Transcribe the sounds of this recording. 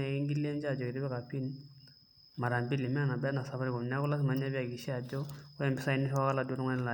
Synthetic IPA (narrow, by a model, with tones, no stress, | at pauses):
ɛ˨i˦ŋɡi˦li˦ɛ˦nd͡ʒa˦˨d͡ʒɔ˨kɪ˨ɾi˦bɛ˦ka˨pi˦n | ma˨ɾa˨mbi˦li˨mɛ˦˨na˨bɛ˦na˨sa˨βa˦ɾi˦ɡɔ˨m˨na˦ku˦la˦s̬i˦ma˨ɲa˦bi˦a˨ki˨ʃi˦a˨d͡ʒɔ˦ɛ˨mbɪ˦sa˦i˦ni˦ʃwa˦ɣa˦la˨du˦ɾŋa˦nɛ˦la˨